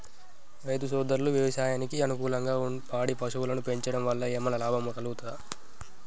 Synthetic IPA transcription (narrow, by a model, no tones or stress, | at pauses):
ɾɐjd̪usɔːd̪ɐɾuluʋjɐʋɐʃaːjaːnikiɐnukuːlɐŋɡaːunpaːɽipɐʂuwulɐnupe̞ɲt͡ʃɐɽɐmʋɐlːɐeːmːɐnɐlaːbʱɐmɐkɐluɡut̪ud̪a